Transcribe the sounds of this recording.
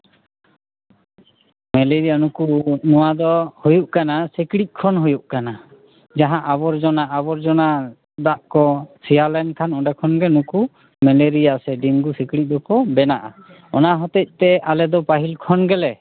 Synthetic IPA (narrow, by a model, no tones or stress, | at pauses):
mɛleɾianukunɔwad̪ɔhujuʔkanasekɽic̚ˀkʰɔnɦujuʔkana | d͡ʒaɦãʔaβɔɾd͡ʒɔnaʔːbɔɾd͡ʒɔna | d̪aʔkɔsialɛnkʰanɔɖakʰɔnɡɛnuku | mɛleɾijasɛɖiŋɡusekɽic̪̚ˀd̪ɔkɔbɛnaʔa̰ | ɔnaɦɔt̪ɛc̚ˀt̪ɛʔalɛd̪ɔpaɦilkʰɔnɡɛlɛ